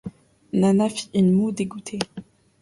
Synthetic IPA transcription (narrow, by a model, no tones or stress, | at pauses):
nanafi̥inmud̪eɡut̪ʰe